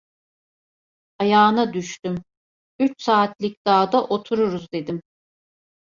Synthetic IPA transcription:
ajaːnad̪yʃt̪ym | yt͡ʃsaːt̪lʲˠic̚d̪̥aːd̪aʔo̞t̪ʰuɾuɾuzd̪e̞d̪im

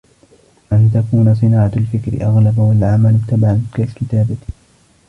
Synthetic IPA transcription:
ʔant̪akuːnas̬ˤɨnaːʕalfɪkɾɪ̰ʔaɣlabawalʕamalɪbt̪abaʕakakɪt̪aːba

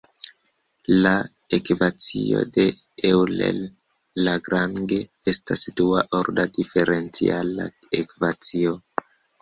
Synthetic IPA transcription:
la | ekvat͡sḭo̞̰de̞ewlḛlː | aɡɾaŋɡe̞estasduaʔo̞ɾdadife̞ɾʔe̞nt͡sḭala̰ | ekvat͡sio

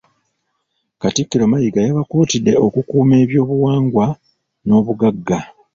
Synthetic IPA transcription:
katikːiɾo̞majiɡajaβakuːtidːe̞o̞kukuːme̞ːβjo̞ːβuwaːŋɡwa | no̞ːβuɡaɡːa

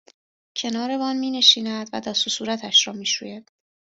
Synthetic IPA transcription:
cʰe̞nɒːɾe̞bɒːnmiːne̞ʃiːnæd̪̥væd̪ɒːsusuːɾæt̪ʰæʃɾɒːmiːʃṵjæd̪̥

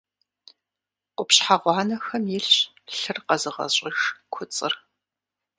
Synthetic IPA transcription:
ʔʷʊpɕħaʁʷɑːnɐxɐmjɪɬ | ɬɨrqɐzɨʁɐ̰ɕʼɪxkʷʰʊt͡sʼɨr

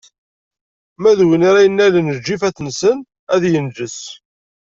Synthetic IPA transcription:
mæðwiniɾæjənːælənəd͡ʒːifæt͡sːnsən | æðjənd͡ʒəs

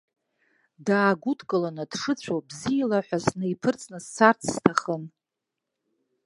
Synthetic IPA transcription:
daːɡʷudʰkʼɨlanɨd̥ʂɨt͡ɕʷʰobzijalaħʷᶣaznɨjpʰɨrt͡sʼnɨst͡sʰart͡sʰstʰaχən

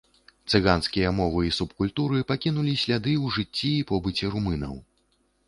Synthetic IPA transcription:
t̪sɨɣanskʲijɐmɔvɨisupkulʲt̪uɾɨpakʲinulʲisʲlʲad̪ɨwʐɨt͡sʲːiːpɔbɨt͡sʲɛɾumɨnɐ̰w

